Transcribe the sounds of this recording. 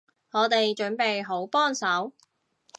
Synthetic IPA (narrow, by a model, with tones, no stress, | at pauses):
ŋɔː˨˧t̪e˨jt͡ʃɵ˨˥npe˨jɦo˨˥wpɔː˥nsɐ˨˥w